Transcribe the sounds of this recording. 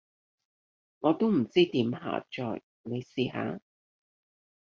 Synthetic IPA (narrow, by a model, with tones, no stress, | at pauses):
ŋɔː˨˧t̪o˥wm̩˨˩t͡siː˥t̪iː˨˥mɦa̰ː˨˩t͡ʃɔ̰ː˨j | ne˨˧jsiː˨˧ɦa̰ː˨˧˦